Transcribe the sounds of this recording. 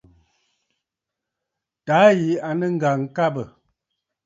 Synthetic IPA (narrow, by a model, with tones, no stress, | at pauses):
ta˨˦ji˨a˨nə˦ŋ̩˦ɡa˨ŋ˨ka˦bə˨